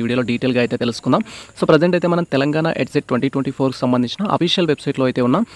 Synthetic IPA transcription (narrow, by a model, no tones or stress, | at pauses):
iːɽijɐloːɖiːʈelɡaːjt̪e̞ːt̪elusu̥kund̪aːmsoːpɾed͡ʑeɳʈɐjt̪eːmɐnɐmt̪ɛlɐŋɡaːɳa̰ʔeʈseʈ̚ʈːʋɐɳʈiːʈʋeɳʈiːpʰoːɾku̥sɐmbɐnd̪iɲt͡ʃinɐʔɐ̰piːʂjɐlʋebsɐjʈloːɐjt̪e̞ːunːaː